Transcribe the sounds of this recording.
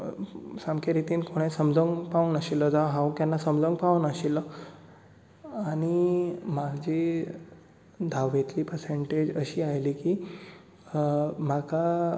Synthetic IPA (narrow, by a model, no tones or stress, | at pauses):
samkʰeɾit̪iːnkʰoɽ̃esəmd͡zʱəŋɡpaunəɕilɔd͡zaʋɦãwkjanːasəmd͡zə̃ŋɡpaʋunəɕilɔ | aɽ̃imaɡd͡ʑi | d̪ʱaʋːet̪liːpəɾseɳʈed͡ʑəɕiːajliːkiː | m̤aka